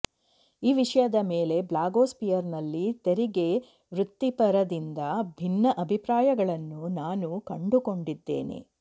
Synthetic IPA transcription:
iːʋiʂɐjɐd̪ɐmeːle̞blaːɡoːspijɐɾnɐlːit̪eɾiɡe̞ | ʋɾut̪ːipɐɾɐd̪ind̪ɐbʱinːɐʔɐbʱipɾaːjɐɡɐɭɐnːunaːnukɐɳɖuko̞ɳɖid̪ːe̞̰ːne̞̰

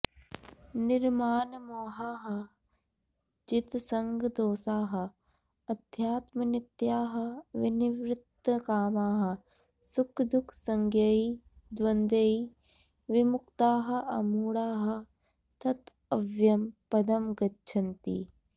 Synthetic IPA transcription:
nɪɾmaːnmoːɦaːɦɐ̆ | d͡ʒɪt̪sɐŋɡd̪oːsaːɦɐ̆ | ɐd̪ʱjaːt̪mɐnɪt̪jaːɦɐ̆ʋɪnɪʋɾɪt̪ːəkaːmaːɦɐ̆ | sʊkʰd̪ʊkʰsɐŋɡʱjɐi | d̪ʋɐnd̪ɐi | ʋɪmʊkt̪aːɦɐ̆ɐmuːɽaːɦɐ̆ | t̪ɐt̪ | ɐʋjɐmpɐd̪ɐmɡɐtːʃʰɐnt̪ḭː

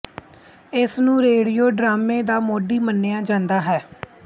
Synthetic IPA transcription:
ɪsnũːɾeːɽijoːɖɾaːmeːd̪aːmoːɖiːmənːeːjaːd͡ʒãːnd̪aːɦɛː

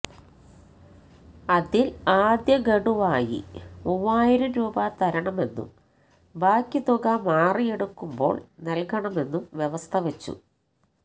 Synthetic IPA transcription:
ɐðilaːd̪jɐɡeɽuʋaːjḭuʋːaːjiɾumɾuːbɐt̪ɐɾɐɳɐme̞nːṵ | baːkʲːit̪uɡɐmaːrijeɽukːumbo̞̰ːɭnɐlkɐɳɐme̞nːumʋjeʋɐst̪ʰɐʋet͡ɕːṵ

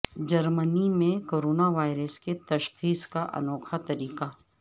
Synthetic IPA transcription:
d͡ʒɐɾmənimẽkoːɾoːnaʋaːɪɾəsket̪ɐʃxiːskaʔɐ̰nɔːkʰat̪ɐɾiːka

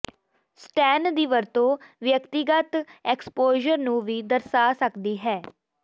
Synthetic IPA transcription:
sʈɛːnd̪iːʋəɾt̪õːʋjəkt̪iɡət̪ɛkspoːʒəɾnũːʋiːd̪əɾsaːsəkd̪iːɦɛː

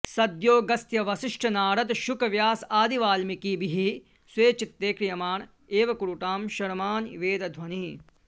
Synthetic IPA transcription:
sɐd̪joːɡɐst̪jɐʋɐsiʂʈʰɐnaːɾɐt̪ʃukɐʋjaːsaːd̪iʋaːlmikiːbiɦi | sʋeːt͡ʃit̪ːeːkɾijɐmaːɳ | eːʋɐkuɾuʈaːmʃɐɾmaːnʋeːd̪ɐd̪ʱʋɐni

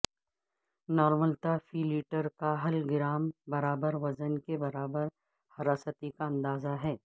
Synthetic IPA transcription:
nɔːɾməlt̪afiːliːʈəɾkaɦɐlɡɪɾaːmbɐɾaːbəɾʋɐzənkebɐɾaːbəɾ | hɐɾaːsət̪ikaɐ̃nd̪aːzaɦɛː

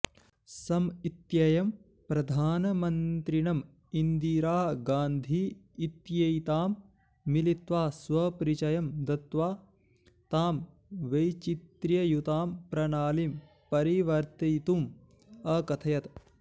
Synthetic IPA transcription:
sɐmit̪jɐjɐm | pɾɐd̪ʱaːnɐmɐnt̪ɾiɳɐm | ind̪iːɾaːɦɐɡaːnd̪ʱiː | t̪jɐjt̪aːmː | ilit̪ʋaːsʋɐpɾit͡ʃɐjɐmd̪ɐt̪ʋaː | t̪aːm | ʋɐjt͡ʃit̪ɾjɐjut̪aːmpɾɐɳaːlim | pɐɾiʋɐɾt̪ɐt̪um | ɐkɐt̪ʰɐjɐt̪

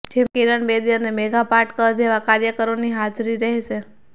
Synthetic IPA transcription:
d͡ʒemkiɾəɳbed̪iənemeɡapaɾʈkəɾd͡ʒ̪eʋakaɾjəkəɾoniɦad͡ʒɾiɾəɦɛʃe

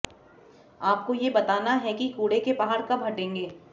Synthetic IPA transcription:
aːp̚kojebɐt̪aːnaɦɛkikuːɽekepaɦaːɾkabʱɐʈẽːŋɡeː

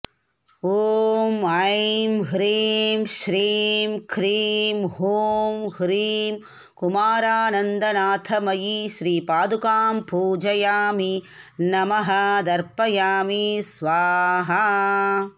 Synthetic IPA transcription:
oːmajmɦɾiːmʃɾiːmkʰɾiːmɦuːmhɾiːm | kumaːɾaːnɐnd̪ɐnaːt̪ʰɐmɐjiʃɾiːpaːd̪ukaːmpuːd͡ʒɐjaːmi | nɐmɐɦɐd̪ɐɾpɐjaːmisʋaːɦɐ

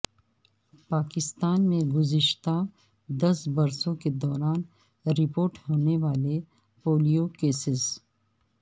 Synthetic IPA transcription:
paːkɪst̪aːnmẽɡʊzɪʃt̪a | d̪ɐsbɐɾsõked̪ɔːɾaːn | ɾɪpoːɾʈhoːneʋaːle | poːlijokeːsɪz

